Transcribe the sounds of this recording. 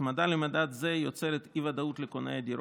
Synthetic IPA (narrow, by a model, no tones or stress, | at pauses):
mad̪alemad̪at̪zejot͡seɾet̪ivad̪aut̪lekonejad̪iɾ